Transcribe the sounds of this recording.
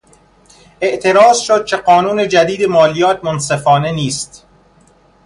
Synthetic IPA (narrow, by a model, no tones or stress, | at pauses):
ʔe̞ʔt̪ʰe̞ɾɒːzʃod̪̥̚t͡ʃʰe̞ɢɒːnuːne̞d͡ʒæd̪iːd̪e̞mɒːlijɒːt̪̚ʰmonsefɒːne̞niːst̪